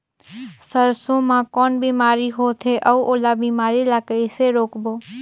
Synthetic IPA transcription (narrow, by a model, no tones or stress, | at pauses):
səɾsõmãkɔnbimaɾiɦot̪ʰeʔəuʔolabimaɾilakəjseɾokbo